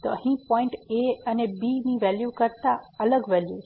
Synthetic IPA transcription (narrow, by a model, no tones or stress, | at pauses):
t̪oəɦĩpɔ̃ɪ̃ɳʈeənebiniʋɛljukəɾt̪aələɡʋɛlju